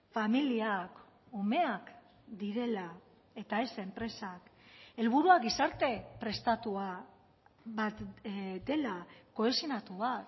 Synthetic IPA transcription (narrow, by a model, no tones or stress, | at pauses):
familiak | ome̞ak | d̪iɾe̞la | e̞t̪aese̞mpɾe̞sake̞lβ̞uɾuaɡisaɾt̪e̞pɾe̞st̪at̪ua | βat̪d̪e̞lako̞esinat̪uβat̪